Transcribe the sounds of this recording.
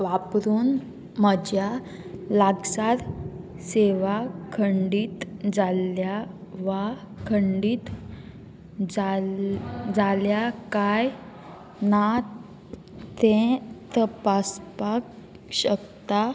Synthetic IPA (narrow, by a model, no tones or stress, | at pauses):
ʋapɾuːn | məd͡ʑja | laɡsaɾ | seʋakʰəɳɖiːt̪d͡zaljaʋa | kʰəɳɖiːt̪ | d͡za | d͡zaljakaj | na | t̪ɛ̃t̪əpaspak | ɕəkt̪a